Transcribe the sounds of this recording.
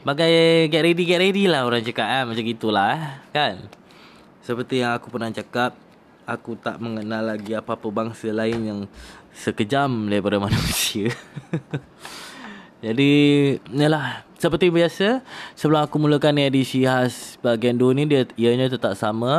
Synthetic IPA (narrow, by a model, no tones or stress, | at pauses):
baɡajɡaʔɾediɡɛʔɾedilaɦoɾaŋt͡ʃakaʔ̚anmat͡ʃamŋɡit̪ulahkan | səpərt̪ijaŋakupərnaht͡ʃakap̚ | akut̪aʔməŋənalːaɡiapaapəbaŋsəlaɪnjaŋsəkəd͡ʒamlapaɾamanəmisiə | d͡ʒadijəlahsəpərt̪ibiasəsəbəlamakumuləkanadisiɦasbaɡaandonĩdiəiəɲət̪ət̪aʔsamə